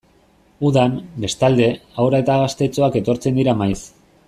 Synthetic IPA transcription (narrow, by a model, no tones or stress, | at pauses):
uðanbe̞st̪ald̪e̞awɾaet̪aɣast̪e̞t͡soake̞t̪o̞ɾt͡se̞nd̪iɾamajs